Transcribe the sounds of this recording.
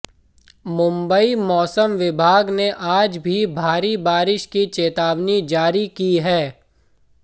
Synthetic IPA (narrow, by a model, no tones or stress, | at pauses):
mʊ̃mbəimɔːsəmʋɪbʱaːɡneʔaːd͡ʒbʱibʱaːɾibaːɾɪʃkit͡ʃeːt̪aːʋnid͡ʒaːɾikiɦɛː